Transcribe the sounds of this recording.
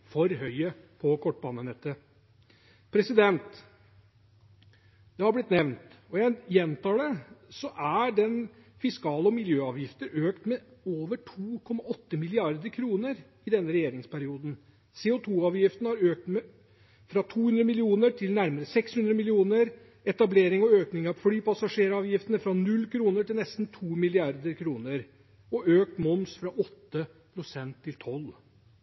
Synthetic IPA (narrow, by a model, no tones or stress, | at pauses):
fɔɾhœʏəpʰɔkʰɔʈːbɑːnənɛt̪ːə | pʰɾɛsɪd̪ɛnnt̪ | d̪̥ɛhɑɾblɪt̪nɛʋnt̪ɔjɛjɛnt̪ʰɑːd̪əsɔʔæɖɛnfɪskɑːləɔmɪljøːɑːʋjɪft̪əɾøːkt̪mɛoːʋəʈʰuːkʰɔmːɑʔɔt̪ːəmɪlɪɑɾd̪əɾkʰɾuːnəɾ | ɪd̪ɛnːəɾɛjeːɾɪŋspʰæɾɪuːd̪n̩ | seːʊt̪ʰuːɑːʋjɪft̪nəhɑɾøːk̚t̪m | fɾɑt̪ʰuːhʉnd̪ɾəmɪlɪuːnəʈʰɪlnæɾməɾəsɛkshʉnd̪ɾəmɪlɪuːnəɾ | ɛt̪ɑbleːɾɪŋɔøːknɪŋɑʋflyːpɑsɑʂeːɾɑːʋjɪft̪ənəfɾɑnʉlːkʰɾuːnəʈɪlnɛst̪n̩t̪ʰuːmɪlɪɑɾd̪əɾkʰɾuːnəɾ | ɔʔøːk̚t̪mɔmsfɾɑʔɔt̪ːəpʰɾʊsɛnt̪ʰːɪlt̪ʰɔl